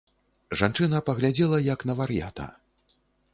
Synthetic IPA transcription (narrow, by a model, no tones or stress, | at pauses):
ʐant͡ʂɨnɐpɐɣlʲad͡zʲɛlˠɐjɐknɐvɐɾja̰t̪ɐ̰